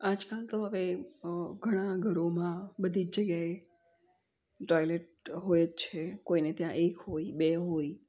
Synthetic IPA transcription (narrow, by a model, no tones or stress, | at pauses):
ad͡ʒkalt̪oɦəʋe | ɡʱəɽ̃ãɡʱəɾomãbəd̪ʱid͡ʒd͡ʒəɡjae | ʈojleʈ̚ | ɦojətt͡ʃʰekoinet̪jãʔekɦoibeɦoi